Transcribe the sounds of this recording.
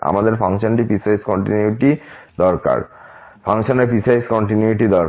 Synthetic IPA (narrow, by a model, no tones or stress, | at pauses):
a̰mad̪eɾpʰaŋʃonʈipisajskɔɳʈinuiʈid̪ɔɾka̰ɾpʰaŋʃoneɾpisajskɔɳʈinuiʈid̪ɔɾ